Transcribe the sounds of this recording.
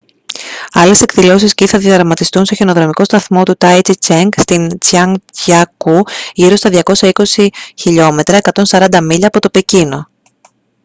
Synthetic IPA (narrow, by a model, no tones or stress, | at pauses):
ɐle̞se̞kðilo̞sisciθɐðjɐðɾɐmɐt̪ist̪unst̪o̞çeno̞ðɾɐmiko̞st̪ɐθmo̞t̪ut̪ɐjt͡sit͡ʃeŋɡst̪int͡sɐŋɐkuʝiɾo̞st̪ɐðʝɐko̞sɐiko̞siçiʎo̞me̞t̪ɾɐe̞kɐt̪o̞nsɐɾɐnd̪ɐmiʎɐːpo̞t̪o̞pe̞cino̞